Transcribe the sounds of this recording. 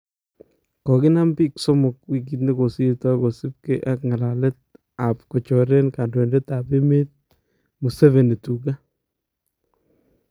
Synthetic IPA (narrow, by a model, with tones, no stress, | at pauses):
kɔ˨kɪ˦na˦mbi˦kso˦mʊ˨k̚wi˦k̬it̪̬ne˦ko˨si˦tɔ˦ko˨sɪ˦p̚ke˦ʔakŋa˨la˨let̚ | a˨pkɔ˨t͡ʃɔ˨ɾe˦nka˨ndwe˨ndɛ˦ta˨pe˦me˦t̚ | mu˨sɛ˦ve˨ne˨tu˨ka˦